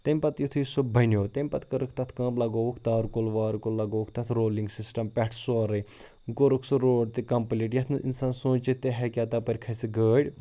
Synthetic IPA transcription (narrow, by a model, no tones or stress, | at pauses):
t̪emʲpɐt̪jut̪ʰujisubʱɐnjoːt̪emʲpɐt̪kɐɾɨkʰt̪ɐt̪ʰkɐ̃ːplɐɡoːʋukʰt̪aːɾkolʋaːɾkolːɐɡoːʋukʰt̪ɐt̪ʰɾoːliŋɡsisʈɐmpʲɛʈʰsoːɾɐj | ɡoɾukʰsuɾoːɖ̚t̪ikɐmpliʈjɐt̪ʰnɨʔḭnsaːnsõːt͡ʃit̪ːeɦekʲjaːt̪ɐpɐɾʲkʰɐsiɡəːɽʲ